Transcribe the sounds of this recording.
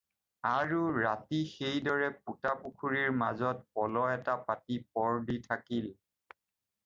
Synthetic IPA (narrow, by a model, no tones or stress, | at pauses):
aɹuɹatixejdɔɹɛp̚utapukʰuɹiɹmazɔt̚pɔlɔɛtapatipɔɹditʰakil